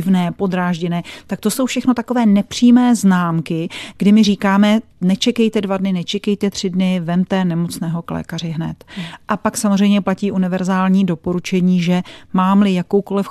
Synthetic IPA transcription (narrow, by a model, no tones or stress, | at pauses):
ɪvnɛːpo̞d̪ɾaːʒɟɛnɛːt̪ak̚t̪o̞so̞wfʃɛxno̞t̪ako̞vɛːnɛpr̝̥iːmɛːznaːmkɪɡ̥dɪmɪriːkaːmɛ | nɛt͡ʃɛkɛjt̪ɛdvadnɪnɛt͡ʃɛkɛjt̪ɛt̪r̝̥ɪdnɪvɛmt̪ɛːnɛmo̞t͡snɛːɦo̞klɛ̰ːkarɪɦnɛ̰t̪ʔapaksamozr̝ɛjmɲɛplaciːʔunɪvɛɾzaːlɲiːdo̞po̞ɾut͡ʃɛɲiːʒɛmaːmlɪjako̞wko̞lɪf